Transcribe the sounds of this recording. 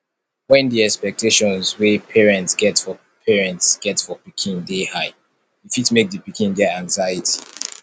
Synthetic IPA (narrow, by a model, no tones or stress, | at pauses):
wɛ̃ndiɛkspɛk̚tʰeʃɔ̃nzwepʰɛɹɛ̃ntsɡ̥ɛtfɔ | pʰɛɹɛ̃ntsɡ̥ɛtfɔpikʰĩndehaɪ | difitmek̚dipikʰĩndɛãŋzaɪjətʰi